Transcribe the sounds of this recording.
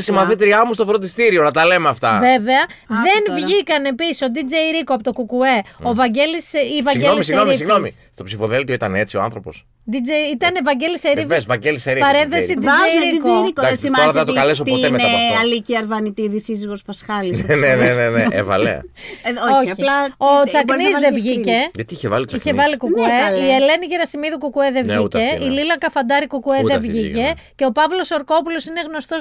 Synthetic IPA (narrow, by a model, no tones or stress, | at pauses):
isimɐθit̪ɾiɐmus̬t̪o̞fɾod̪ist̪iɾio̞nɐt̪ɐlemeɐft̪ɐve̞ve̞ɐðe̞nvʝikɐne̞pisiso̞d̪id͡zeiɾikoɐpot̪okukue̞ovɐɲɟelisivɐiɣeolimsino̞ɾmisiɣno̞mḭst̪o̞psifo̞ðelt̪ioit̪ɐne̞t͡sioa̰nθɾo̞po̞̰s | d̪id͡zeit̪ɐnevɐɲɟe̞liseɾivesvɐɟeliseɾipɐɾe̞nθesid̪iieɾikeɾkod̪sioɾɐeɐt̪okɐles̬o̞pt̪oeeteɐɐliciɐɾvɐnit̪iðisiziɣo̞spɐsxɐlineneneneneʔːvɐ̰lḛɐ̰ooçilɐot͡sɐknizðevʝice̞ʝɐt̪iiçevɐ̰liiçevɐlikukueiele̞niʝeɾɐsimiðukukueðevice̞ililɐkɐfɐnd̪ɐɾikukueðevʝice̞ceo̞pɐvlo̞so̞ɾko̞pulo̞sineɣno̞st̪o̞s